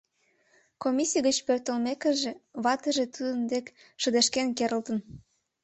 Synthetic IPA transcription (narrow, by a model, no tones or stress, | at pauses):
komʲisijɣət͡ɕpørt̪əlmekəʒeβɑt̪ə̆ʒet̪ud̪ənd̪ek | ʃə̆d̪eʃkenkeɾəlt̪ən